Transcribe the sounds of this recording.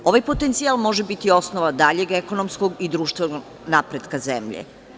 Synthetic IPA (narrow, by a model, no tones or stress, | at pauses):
o̞ʋajpot̪ent̪sialˠmo̞ʒebit̪io̞snoʋad̪aʎeɡeko̞nomskoɡid̪ɾuːʃt̪ʋenoo | napɾed̪kazḛmʎḛ